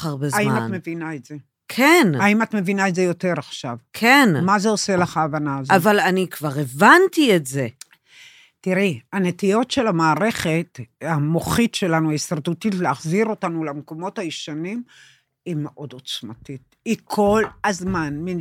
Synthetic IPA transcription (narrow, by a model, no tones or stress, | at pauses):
aʁbeaimatme̞vinaetz̥e̞ | kʰenaimatme̞vinaetzejo̞te̞ʁaχʃavkʰenmazeo̞selaχaːvanaːzoavalanikvaʁevantietze | tiʁiane̞tijo̞tʃe̞lamaːʁe̞χetamoχitʃe̞lanuaisaʁdutitleaχziʁo̞tanulamko̞mo̞thajiʃanim | imeʔo̞do̞t͡smatit̚ | ikʰo̞lhazmanmi